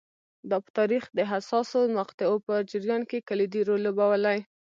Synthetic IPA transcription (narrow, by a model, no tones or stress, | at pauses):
d̪ɑpə̥t̪ɑɾixd̪əɦasɑsomaqt̪ɪopəd͡ʒəɾjɑnkekaled̪iɾolobawalaj